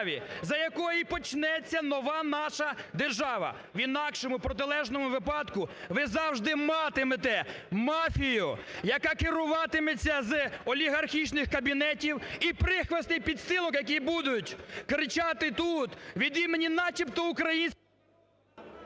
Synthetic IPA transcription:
ʋʲizɐjɐkɔjipɔt͡ʃnɛt͡sʲːɐnɔʋɑnɑʃɐd̪e̞rʒɑʋɐ̰ | ʋinɑkʃɔmʊpɾɔt̪ɪlˠɛʒnɔmʊʋɪpɑd̪kʊ | ʋɪzɑwʒd̪ɪmɑt̪ɪmet̪ɛmɑfʲijʊjɐkɑkɪɾʊʋɑt̪ɪmet͡sʲːɐzɔlʲiɦɐrxʲit͡ʃnɪxkɐbʲinɛtʲiwipɾɪxʋɐst̪nɪjpʲid̪st̪ɪlˠɔkjɐk̬ʲibud̪ʊtʲkɾɪt͡ʃat̪ɪt̪ut̪ʋʲid̪imenʲinɑt͡ʃʲipt̪ɔʊkɾɐjinʲsʲ

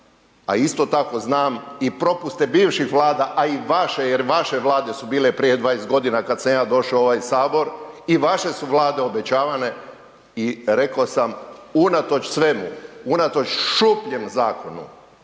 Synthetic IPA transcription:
a̰ist̪o̞t̪ako̞znaːmipɾo̞pust̪ebiːʋʃixʋlˠaːd̪aʔaiʋaʃejeɾʋaʃe̞ʋlˠaːd̪e̞subiːlepɾije̞d̪ʋaːjest̪ɡo̞d̪inakad̪samjaːd̪o̞ʃaooʋajsaːbo̞ɾiʋaʃe̞suʋlˠaːd̪e̞o̞bet͡ɕaːʋane̞ | iɾe̞kosamunat̪o̞t͡ʃsʋe̞mṵunat̪o̞t͡ʃʃupʎemzaːko̞nṵ

